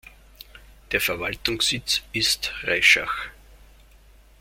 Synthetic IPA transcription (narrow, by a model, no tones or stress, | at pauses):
d̥eːɐfɛɐvaltʊŋsɪt͡sɪstʁaɪʃa̰x